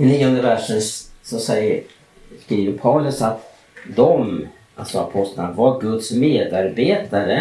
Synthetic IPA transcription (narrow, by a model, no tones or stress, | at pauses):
ɪniːɔnd̪əvæʂənsɔsɛjːə | skɾiːvəɾpʰawlɵsat̪ | d̪ɔm | ʔa̰lsɔa̰pʰɔst̪lanavaɾɡɵt̪smeːd̪aɾbeːt̪aɾə